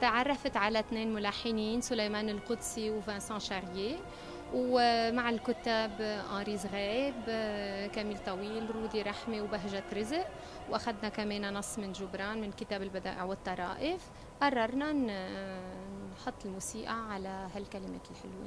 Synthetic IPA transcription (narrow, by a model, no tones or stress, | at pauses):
t̪aʕɑrˤːɑfat̪ʕalat̪neːnmʊlaħːɪniːnsʊlajmaːnɪlqʊd̪siwvæ̃ːsɑ̃ːʃaɾje | wmaʕɪlkʊt̪ːaːbʔɑ̃ːɾiːzɣeːbkamiːlt̪ˤɑwiːlɾuːd̪iɾˤɑħmewbaɦʒat̪ɾɪzʔ | wʔaxad̪nakameːnanɑsˤːmɪnʒʊbɾˤɑːnmɪnkɪt̪aːbɪlbad̪a̰ːʔɪʕwɪt̪ˤːɑɾˤɑ̰ːʔɪf | ʔɑrˤːɑɾˤnan | ħʊt̪ˤːɪlmuːsiːʔaʕalahalkalɪmḛːt̪ɪlħɪlwḛ